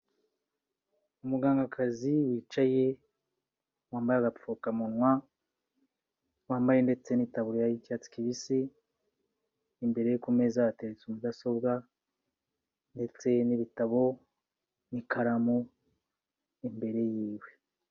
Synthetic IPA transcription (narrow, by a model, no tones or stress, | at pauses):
umuɡaːŋɡakʰaziwiːt͡ʃaje̞ | waːmbajaɡafukamunŋwa | waːmbaje̞nde̞t͡se̞nitaβuɾjajicat͡si̥kiβisi | mbe̞ɾe̞jekume̞zateɾet͡sumudaso̞bɡa | nde̞t͡se̞niβitaβo̞ | nikʰaɾamu | imbe̞ɾe̞jiːwe̞